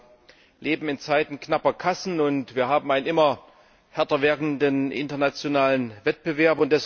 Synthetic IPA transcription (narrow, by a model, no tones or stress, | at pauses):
lʔeːbm̩ɪnt͡saɪtn̩knapɐkʰasn̩ʊntv̥iːɐɦaːbm̩aɪnənʔɪmɐ | hɛɐtɐvɛɐkŋ̩dənʔɪ̰ntɐnat͡sjonaːlənvɛt̚b̥əvɛɐpʊnt̚d̥ɛs